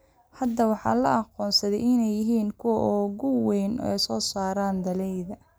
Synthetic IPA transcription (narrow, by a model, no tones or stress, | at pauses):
hɐd̪ɐwɑħɑ̰ːlɐʔɑqɔːnsɐðɛjɪnɛjːɪɦiːŋkʰʊwɐʔɔɣʊwɛjnɔ̰ɛ̰jsɔːsaːɾaːnd̪ɐlɛjðɐ